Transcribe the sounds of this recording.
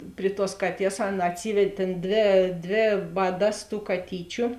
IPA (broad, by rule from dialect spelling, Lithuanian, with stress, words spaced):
ˈpʲrʲɪ ˌtuɔs ˈkɑːˌtʲiɛs ˈɑːˌnɐ ɐtʲˈsʲiːʋʲɛtʲ ˈtʲeːn ˈdʲʋʲeː ˈdʲʋʲeː ˈʋɑːˌdɐs tuː kɐˈtʲiːt͡ʃʲʊ